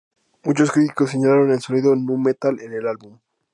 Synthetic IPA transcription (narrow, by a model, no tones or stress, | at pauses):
mut͡ʃo̞skɾit̪i̥kos̬ːeɲalaɾo̞ne̞lso̞niðonũme̞t̪alene̞lalβum